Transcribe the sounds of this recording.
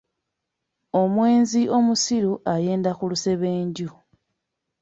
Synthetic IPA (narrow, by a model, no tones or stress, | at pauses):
o̞mwe̞ːnziʔo̞musiɾuʔaje̞ːndakuluse̞βe̞ːɲɟu